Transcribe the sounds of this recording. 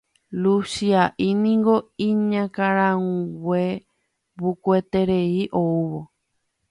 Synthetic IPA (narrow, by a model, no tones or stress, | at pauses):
lusiaʔinĩŋɡo̞ĩɲãkaɾãũwe | βukwet̪e̞ɾeiʔouβo